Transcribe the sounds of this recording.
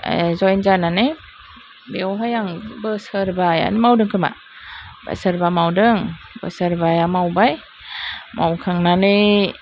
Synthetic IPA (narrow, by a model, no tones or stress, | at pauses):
zɔjnzanani | biwɦajaŋbəsəɾbaja̰nimawdɯŋkʰɯma̰ | ba̰səɾbamawdɯŋ | bə̰səɾbajamawbaj | ma̰wkʰaŋnani